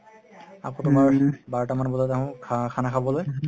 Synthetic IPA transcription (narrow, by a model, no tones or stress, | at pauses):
a̰kɔ̃tʊmaɹbaɹɔtamanbɔzataɦʊ̃kʰanakʰabɔloj